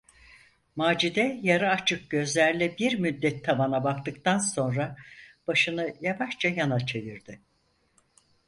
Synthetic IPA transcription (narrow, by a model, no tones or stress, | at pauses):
maːd͡ʒid̪ɛjaɾaat͡ʃʰɯk̚ɟø̞zlʲæɾlʲɛbiɾmyd̪ːɛt̪ʰːamanabakt̪ɯkt̪anso̞nɾab̥aʃɯnɯjavaʃt͡ʃʰajanat͡ʃʰeviɾd̪ɪ